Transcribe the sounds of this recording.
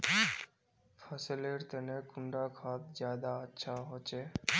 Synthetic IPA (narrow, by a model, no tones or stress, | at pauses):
fʰəseleɾt̪enekuɳɖakʰat̪̚d͡ʒjaːd̪aətːʃʰaɦot͡ʃʰe